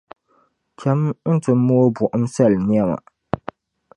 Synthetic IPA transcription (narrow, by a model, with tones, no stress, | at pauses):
t͡ʃɛ˦mn̩˦tɨ˨mː˦u˦o˦bʊ˨ʔm̩˦sa˦˨lni˦ɛ˦ma̰˨